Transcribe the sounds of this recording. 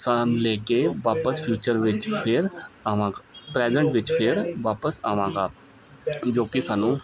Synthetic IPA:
saːnleːkeʋaːpəspʰjuːt͡ʃəɾʋɪt͡ʃpʰɪɾaʋãːkpɾɛːd͡ʒə̃ɳʈʋɪt͡ʃpʰɪɾʋaːpəsaːʋãːɡaː | d͡ʒoːkisaːnũː

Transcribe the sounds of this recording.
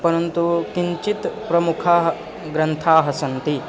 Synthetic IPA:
pɐɾɐnt̪ukiɲt͡ʃit̪pɾɐmukʰaːɦɐ | ɡɾɐnt̪ʰaːɦɐsɐnt̪i

